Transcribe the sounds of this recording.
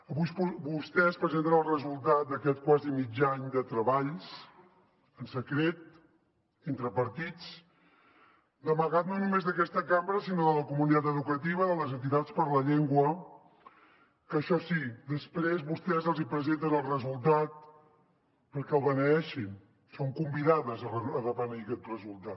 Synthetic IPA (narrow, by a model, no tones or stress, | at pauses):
əβujspubust̪ɛspɾəzent̪ənəlˠrəzulˠt̪at̪̚d̪əkɛt̪̚kwazimid͡ʒaɲd̪ət̪ɾəβaʎs | ənsəkɾet̪̚ | int̪ɾəpəɾt̪it͡s | d̪əməɣat̪̚nonumezðəkɛst̪əkambɾəsinoðələkumunit̪at̪əðukət̪iβ̞əðələzənt̪it̪at͡spəɾləʎeŋɡwə | kəʃɔsid̪əspɾezβust̪ɛzəlˠzipɾəzent̪ənəlˠrəzulˠt̪at̪̚ | pəɾkɛəlˠβənəɛʃin | soŋkumbiðaðəzərəəðəβənəikɛt̪rəzulˠt̪at̪